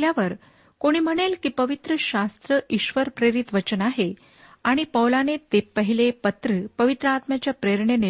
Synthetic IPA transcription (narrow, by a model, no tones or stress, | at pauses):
ljaʋəɾ | koɽ̃iːm̤əɽ̃elkiːpəʋit̪ɾəɕast̪ɾəʔiɕʋəɾpɾeɾit̪ʋət͡ɕənaɦe | aɽ̃ipəwlanet̪epəɦilepət̪ɾəːpəʋit̪ɾəat̪mjat͡ɕjapɾeɾɳene